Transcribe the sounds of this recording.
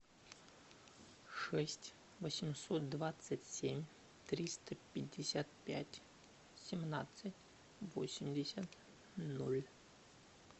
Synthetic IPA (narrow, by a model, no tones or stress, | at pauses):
ʂɛsʲtʲ | vəsʲɪmʲsot̪̚d̪vat̪sətʲsʲemʲ | t̪ɾʲist̪əpʲɪdʲːɪsʲat̪pʲætʲ | sʲɪmnat̪sətʲ | vo̰sʲɪmʲdʲɪsʲət̪ | nolʲ